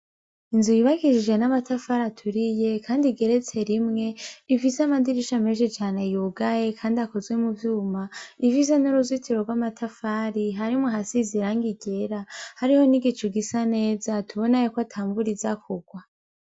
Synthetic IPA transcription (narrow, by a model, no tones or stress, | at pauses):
inzujiβakiʃid͡ʒe̞namatafaɾatʰuɾije̞kʰaːndiɡe̞ɾe̞t͡se̞ɾimŋe̞ifiseamadiɾiʃameʃet͡ʃaːne̞juɡaje̞kʰaːndiako̞zwe̞muvjuːmaifis̬e̞nuɾuzitʰiɾoɡwamatʰafaːɾiɦaɾimŋuɦasiziɾaŋɡiɟe̞ɾahaɾiho̞niɡit͡ʃuɡisane̞ːzatʰuβo̞najokwoatʰaːɱbuɾizakʰuɡ̥wa